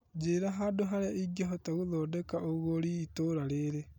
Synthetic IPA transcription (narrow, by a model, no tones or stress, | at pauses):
d͡ʒeɾaɦadoɦaɾeaʔiɡiaɦotaɣoðɔdɛkaʔoɣoɾiːtoɾaɾeɾe